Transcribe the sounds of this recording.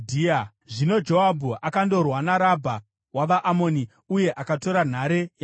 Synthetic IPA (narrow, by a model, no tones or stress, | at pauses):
dʱia | ʐino̞d͡ʒo̞abʱuʔakando̞rwanaɾabʱa | waʋaʔamo̞ni | uje̞ʔakato̞ɾan̤aɾe̞ja